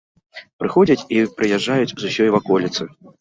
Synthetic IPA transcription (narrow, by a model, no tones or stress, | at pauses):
pɾɨxɔd͡zʲɐt͡sʲipɾɨjɛʐːajut͡sʲzusʲɔjvakɔlʲit̪sɨ